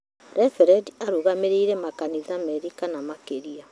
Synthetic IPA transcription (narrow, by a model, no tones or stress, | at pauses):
ɾɛfɛɾɛdiaɾuɣameɾiːɾɛmakanizamɛɾikanamakeɾia